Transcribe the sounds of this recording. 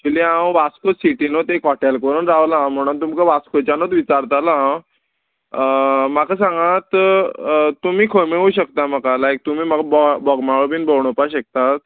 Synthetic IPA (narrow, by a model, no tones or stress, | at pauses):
d͡ʑiliãwʋaskosiʈinot̪ekɔʈelkəɾuːnɾaʋlaãm̤əɽ̃unt̪umkəʋaskot͡ɕjanot̪ʋit͡ɕaɾt̪alaã | makʰəsãŋɡãt̪ | t̪umiːkʰəmeuɕəkt̪aməkalajk̚t̪um̤iːmakabɔbɔɡmaɭobiːnbʱəwɳ̃opaɕək̚t̪at̪̚